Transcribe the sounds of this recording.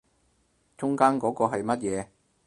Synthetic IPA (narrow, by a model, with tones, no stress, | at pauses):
t͡sʊ˥ŋkaː˥nkɔː˨˥kɔː˧ɦɐ˨jmɐ˥t̚jɛː˨˧